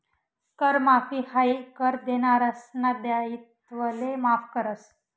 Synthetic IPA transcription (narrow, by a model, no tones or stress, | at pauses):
kəɾmafiːhaikəɾd̪enaɾasnad̪jait̪ʋəlemafkəɾəs